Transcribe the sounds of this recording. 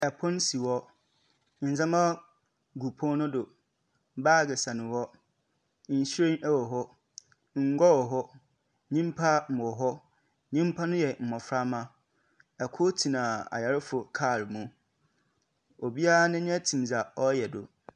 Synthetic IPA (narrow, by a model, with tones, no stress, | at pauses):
ɛ˨pʰɔ̃˦n˦si˨wɔ˦ | n̩˨zã˦mã˦ | ɡu˨pʰɔ̃˦nʊ̃˦dʊ˨ | baː˦˨ɡɪ˨sã˨nɪ̃˨wɔ˦ | n̩˨sɾẽ˦ʔɛ˦wɔ˨ɦɔ˦ | ŋ̩˨˦ɡɔ˦wɔ˨ɦɔ˦ | ɲĩ˦m˦pʰa˦m̩˨ɔ˨ɦɔ˦ | ɲĩ˦m˦pʰa˦nʊ̃˦jɛ˨m̩˨ɔ̃˨fɾa˦mã˦ | ɛ˨kʰʊ˦tʰi˨nã˨a̰˨ja˨ɾɪ˦fʊ˨kʰa˦˨ɾmũ˨˦ | o˨bi˦a˦nɪ̃˦ɲɛ̃˦tʰĩ˨m˨za˨ɔ˦jɛ˨dʊ˨